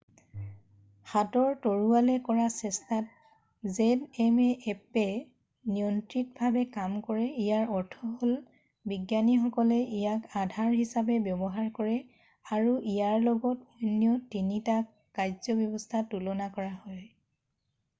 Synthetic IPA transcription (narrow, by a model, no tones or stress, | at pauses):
xatɔɹtoɹualɛkɔɹasɛstat̚ | zɛdɛmɛʔɛpɛ | nijɔntɹitbʱabɛkamkɔɹɛijaɹɔɹtʰɔɦol | biɡjanixɔkɔlɛʔijakadʱaɹhisabɛbjɔbɔɦaɹkɔɹɛ | aɹuʔijaɹlɔɡɔtojnijɔtinitakːajzɔbjɔbɔstʰatulɔnakɔɹahɔj